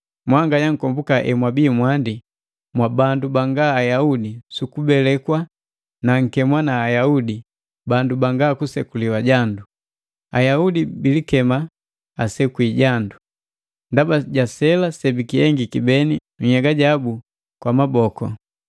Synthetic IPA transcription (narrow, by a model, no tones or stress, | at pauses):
mwaŋɡaɟaŋ̩kɔmbukaʔɛmwabiːmwandi | mwabandubaŋɡaːjaudisukubɛlɛkwa | naŋ̩kɛmwanaːjaudi | bandubaŋɡakusɛkuliwaɟandu | a̰jaudibilikɛma | asɛkwiɟandu | ndabaɟasɛlasɛbikiɛŋɡikibɛnim̩hɛɡaɟabu | kwamabɔkɔ̰